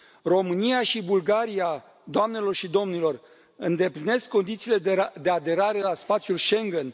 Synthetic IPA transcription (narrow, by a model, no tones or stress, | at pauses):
ro̞mɨnijaʃibulɡaɾija | d̪oamne̞lo̞rʃid̪o̞mnilo̞r | ɨnd̪e̞pline̞skːo̞nd̪it̪siːled̪e̞ad̪e̞ɾaɾe̞laspat̪sʲjulʃe̞ŋɡen